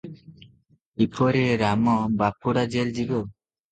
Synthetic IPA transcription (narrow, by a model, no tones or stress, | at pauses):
ipʰɔɾeɾamɔbapʰuɽad͡ʒeld͡ʒibɔ